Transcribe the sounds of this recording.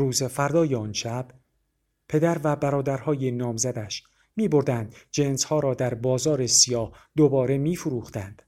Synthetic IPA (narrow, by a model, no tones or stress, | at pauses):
ɾuːzefæɾd̪ɒːjeɒːnʃæb̥ | pʰe̞d̪æɾvæbæɾɒːd̪æɾhɒːjenɒːmzæd̪æʃ | miːbo̞ɾd̪ænd̪d͡ʒe̞nshɒːɾɒːd̪æɾbɒːzɒːɾe̞sijɒːhd̪̥obɒːɾe̞miːfuɾuːχt̪ænd̪̥